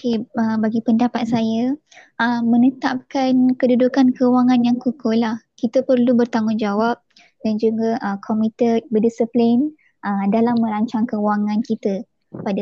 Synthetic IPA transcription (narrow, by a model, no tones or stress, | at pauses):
okeəbaɡipəndapat̪̚saja | ʔəmənət̪ap̚kankədudukankəwaŋanjaŋkukolahkit̪əpərlubərt̪aŋʊnd͡ʒawap̚ | dand͡ʒuɡaʔəkʰɔmit̪əbədisəplen | ʔədalamːə̃ɾaɲt͡ʃaŋkəwaŋãnkit̪ə | pada